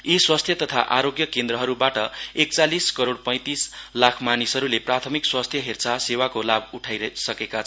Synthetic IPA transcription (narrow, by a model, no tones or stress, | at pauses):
iswast̪ʰjʌt̪ʌt̪ʰaʔaɾoɡjʌkend̪ɾʌɦʌɾubaʈʌek̚t͡saliskʌɾoɽpʌ̃j̃t̪islakʰmanisʌɾuleprat̪ʰʌmikswast̪ʰjʌɦirt͡sʰasewakolabuʈʰajɾʌsʌkekat͡sʰʌn